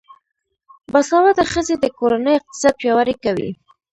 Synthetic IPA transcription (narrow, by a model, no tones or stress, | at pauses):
basɑwat̪aɾxəzed̪əkoɾanəjɪq̚t̪ɪ̥sɑd̪̚pjɑwaɾekawḭ